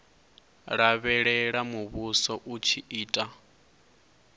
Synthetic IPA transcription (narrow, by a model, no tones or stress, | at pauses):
ɺaβɛɺɛɺamuβusɔʔut͡ʃʰiiːtʼa